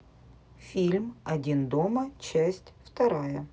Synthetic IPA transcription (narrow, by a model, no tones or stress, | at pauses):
fʲilʲmɐdʲind̪omət͡ɕæsʲtʲft̪ɐɾajə